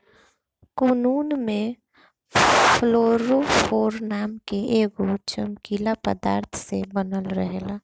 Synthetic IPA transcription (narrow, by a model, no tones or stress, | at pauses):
konuːnmẽ | pʰloːɾofoːɾnaːmkeʔeːɡot͡ʃəmkilapəd̪aːɾt̪ʰsebənəlɾəɦelaː